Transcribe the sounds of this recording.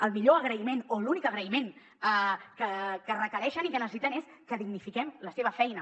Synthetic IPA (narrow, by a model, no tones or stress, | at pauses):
əlˠmiʎoəɣ̞ɾəimenolunikəɣɾəimen | əkəkərəkəɾɛʃənikənəssit̪ənes | kəðiɡnifikɛmləseβ̞əfɛjnə